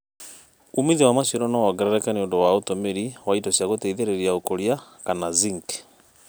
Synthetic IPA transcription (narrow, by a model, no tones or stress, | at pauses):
umiðiwamaʃiɾɔnawaɡɛɾɛɾɛkaneondowaotomeɾiwaitɔsjaɣotɛiðeɾeɾiaokoɾjakanaziŋkɛ̥